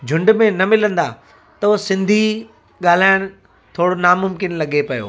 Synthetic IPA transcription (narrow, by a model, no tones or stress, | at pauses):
d͡ʑʱʊ̃ɳɖmẽnɐmɪlə̃nd̪a̰ | t̪ɐosɪ̃nd̪ʱi | ɠaːl̤aːɪɽ̃ | t̪ʰoːɽonaːmʊmkɪnlɐɠepɐjo̰ː